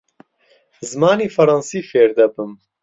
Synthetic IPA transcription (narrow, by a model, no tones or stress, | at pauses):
zmaːniːfɐɾɑnsiːfeːɾd̪ɐbɨm